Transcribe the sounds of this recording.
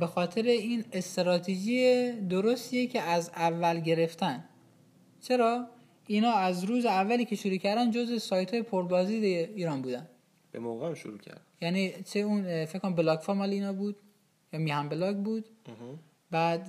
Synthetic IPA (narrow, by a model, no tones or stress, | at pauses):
bexɒːt̪ʰe̞ɾeiːnest̪eɾɒːt̪ʰed͡ʒied̪oɾost̪iecʰe̞æzævːælɟe̞ɾe̞ft̪ʰæn | t͡ʃʰe̞ɾɒː | iːnhɒːæzɾuːzeævːæliːcʰeʃoɾuːcʰæɾd̪ænd͡ʒozvesɒːjt̪ʰhɒːje̞pʰoɾbɒːziːd̪æiːɾɒːnbuːd̪æn | b̥ḛmo̰ɣeæmʃo̰ɾṵːcʰæ̰ɾd̪jæniːt͡ʃʰeunfekːoɾæmbelɒːɡfoːɾmɒːleiːnɒːbuːd̪̥ | jɒːmiːhæmbelɒːɡbuːd̪ | bæːd̪